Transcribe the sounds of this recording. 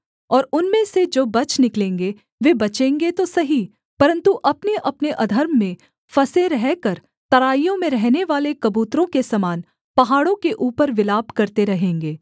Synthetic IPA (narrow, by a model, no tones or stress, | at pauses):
ɔːɾʊnmẽsed͡ʒoːbɐt͡ʃnɪklẽːŋɡe | ʋebɐt͡ʃẽːŋɡet̪osɐɦi | pɐɾə̃nt̪uʔɐpneʔɐpneʔɐd̪ʱəɾmːẽ | fɐsẽɾɛɦkɐɾ | t̪ɐɾaːijõmẽɾɛɦneʋaːlekɐbuːt̪ɾõkesɐmaːn | pɐɦaːɽõkeʔuːpəɾʋɪlaːbkɐɾt̪eɾɐɦẽːŋɡeː